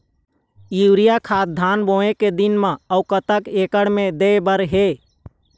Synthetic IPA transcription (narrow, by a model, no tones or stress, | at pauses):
juɾijakʰaːt̪̚d̪ʱaːnboeked̪inmãəukət̪əkeːkəɽmed̪ebəɾɦe